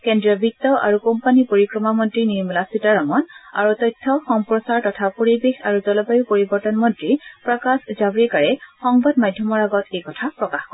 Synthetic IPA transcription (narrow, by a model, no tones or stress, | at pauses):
kendɹiɔbʱik̚tɔʔa̰ɹukompanipoɹikɹɔmamɔntɹiniɹmulasitaɹɔŋɔna̰ɹutɔjtʰːɔxɔmpɹɔsaɹtɔtʰapoɹibexaɹuzɔlɔbajupoɹibɔɹtɔnmɔntɹipɹɔkaszabɹikaɹɛxɔŋbad̚madʱjɔmɔɹaɡɔtʰejkɔtʰapɹɔkaxkɔ